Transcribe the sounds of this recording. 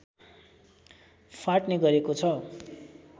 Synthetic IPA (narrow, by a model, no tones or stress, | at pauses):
fʰaʈneɡʌɾekot͡sʰʌ